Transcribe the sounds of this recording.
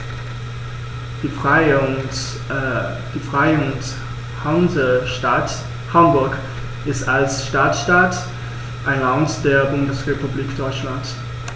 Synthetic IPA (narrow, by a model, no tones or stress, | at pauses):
d̥iːfʁ̥aɪʊnt | hanzəʃtat | hambʊɐk | ʔɪstalsʃtaːtsʃtat | ʔaɪnlantd̥eːɐbʊndəsʁepubliːkd̥ɔʏt͡ʃlant